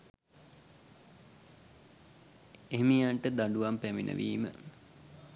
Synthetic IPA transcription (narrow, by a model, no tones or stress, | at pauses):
emijaɳʈəd̪aɖuʋampæminʔə̰ʋʔiːmə̰